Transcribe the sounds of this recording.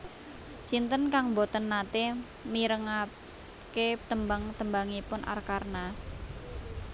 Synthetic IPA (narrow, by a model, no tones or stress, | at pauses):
sint̪ənkaŋmbot̪ənːat̪e | miɾəŋa | ket̪əmbaŋt̪əmbaŋipʊnʔa̰rkarna